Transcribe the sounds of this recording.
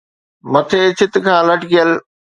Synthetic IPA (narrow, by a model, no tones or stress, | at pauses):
mɐt̪ʰeːt͡ɕʰɪt̪̆kʰãːlɐʈɪkijəl